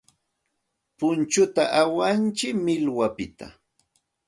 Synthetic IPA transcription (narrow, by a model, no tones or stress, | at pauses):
pʊnt͡ʃʊt̪aʔawant͡ʃɪkmɪlwapɪt̪a̰